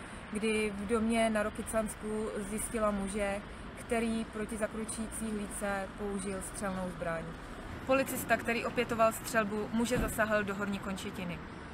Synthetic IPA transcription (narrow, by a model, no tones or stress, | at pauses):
ɡdɪvdo̞mɲɛnaɾo̞kɪt͡sanskuzjɪscɪlamuʒɛ | kt̪ɛɾiːpɾo̞cɪzakɾut͡ʃujiːt͡siːɦliːt͡sɛpo̞uʒɪlst̪r̝̥ɛlno̞wzbɾaɲ | po̞lɪt͡sɪst̪akt̪ɛɾiːʔo̞pjɛt̪o̞valst̪r̝̥ɛlbumuʒɛzasaɦldo̞ɦoɾɲiko̞nt͡ʃɛcɪnɪ